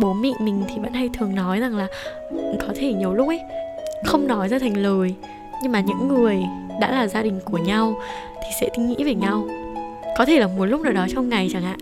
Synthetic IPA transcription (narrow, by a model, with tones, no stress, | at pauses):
ɓo˨˦nmḭ˧˨mï˨˩ŋ̟t̪ʰi˨˩və̰˧˥nha˧jt̪ʰɨ˨˩əŋnɔ˨˦jza˨˩ŋlaː˨˩˨ | kɔ˨˦t̪ʰe˧˩ɲi˨˩əwlʊ˦˥k͡p̚ʔə˨˦jxə˧wŋ͡mnɔ˨˦jzaː˧t̪ʰɛ˨˩ŋ̟ləː˨˩j | ɲɨ˧ŋmaː˨˩ɲɨ̰˧˥ŋːɨ˨˩əj | ɗa̰ː˧˥laː˨˩zaː˧ɗï˨˩ŋ̟ku˧˩əɲa˧w | t̪ʰi˨˩sɛ̰˧˥t̪ï˧˦ŋ̟ŋḭ˧˥veː˨˩ɲa˧w | kɔ˨˦t̪ʰe˧˩zaː˨˩mu˨˩˦t̚lʊ˦˥k͡p̚naː˨˩wɗɔ˨˦t͡ɕɔ˧wŋ͡mŋa˨˩jt͡ɕa˧˩ŋʔa̰ː˧˨ʔ